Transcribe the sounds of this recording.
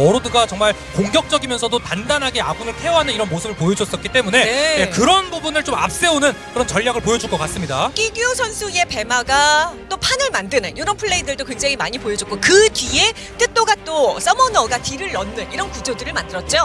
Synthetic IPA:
ʌɾodɯɡat͡ɕʌŋmaɭ | koŋɡjʌk̚t͡ɕ͈ʌɡimjʌnsʰʌdotandanɦaɡe̞aɡunɯɭtʰe̞ʌɦanɯniɾʌnmosʰɯbɯɭpojʌd͡ʑʌs͈ʌt̚k͈it͈e̞mune̞nejekɯɾʌnbubunɯɭt͡ɕoma̰p̚s͈e̞onɯnkɯɾʌnt͡ɕʌʎːaɡɯɭpojʌd͡ʑuɭk͈ʌk͈as͈ɯmɲidak͈idiosʰʌnsʰue̞pe̞maɡat͈opʰanɯɭmandɯnɯnjoɾʌnpʰɯɭːeidɯɭdokweŋd͡ʑaŋimaɲipojʌd͡ʑok͈ʰokɯdɥie̞ | t͈ɯt͈oɡat͈os͈ʌmʌnʌɡatiɾɯɭːʌnːɯniɾʌnkud͡ʑodɯɾɯɭmandɯɾʌt̚t͡ɕ͈o

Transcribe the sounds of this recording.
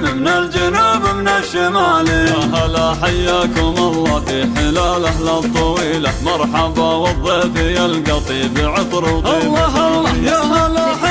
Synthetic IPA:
mɪmnald͡ʒanaːbamnaʃɪmaːljaɦalaħajːaːkʊmʔɑlˤːɑːfiħɪlaːlahlat̪ˤːɑwiːlamɑɾˤħɑbɑwɑðˤːɑfijalɡɑt̪ˤiːbʕɪt̪ˤɾtˤiːɑjaalaa

